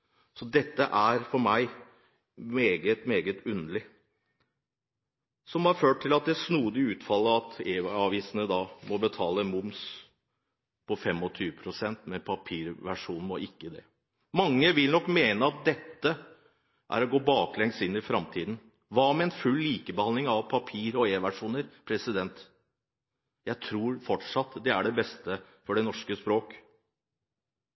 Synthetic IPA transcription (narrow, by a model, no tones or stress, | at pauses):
sɔd̪ɛt̪ːəʔæɾfɔɾmæɪ | meːɡət̪meːɡət̪ʉnəlɪ | sɔmhɑɾføːʈ̚ʈ̪ʰːɪlɑt̪̚d̪ɛsnuːd̪əʉːt̪fɑlːəɑt̪eːɑʋiːsənəd̪ɑːmɔbət̪ʰɑːləmʊms | pʰɔfɛmːɔt̪ʰyːʋəpʰɾʊsɛnt̪mɛpʰɑpʰiːɾʋæʂuːn̩mɔʔɪkːəd̪ɛ̰ | mɑŋːəʋɪlnɔkːmeːnəɑt̪̚d̪ɛt̪ːə | ʔæ̰ɾɔɡoːbɑːklɛŋst̪ɪnːɪfɾɑmt̪ʰiːd̪n̩ | ʋɑmɛɛnfʉlːiːkəbəhɑnlɪŋɑʋpʰɑpʰiːɾɔeːʋæʂuːnəɾpʰɾɛsɪd̪ɛnt̪ | jæɪt̪ʰɾuːɾfɔʈʂɑt̪ːd̪ɛæɖɛbɛst̪ə | fɔɖɛnɔʂkəspɾoːk